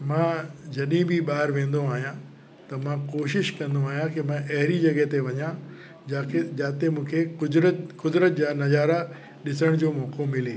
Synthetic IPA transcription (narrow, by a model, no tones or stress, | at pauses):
mãːd͡ʑɐɗĩbʱɪɓaːɪɾʋẽːn̆d̪oaːɦijã | t̪ɐmãkoːʃɪʃkɐ̃nd̪oaːɦijãkɪmãʔɐɦɾid͡ʑɐɡəɦt̪eʋɐɲã | d͡ʑaːkʰed͡ʑaːt̪emũːkʰekʊd̪ɾət̪kʊd̪ɾət̪̚d͡ʑaːnɐzaːɾa | ɗɪsəɽ̃d͡ʑoːmɔːkomɪleː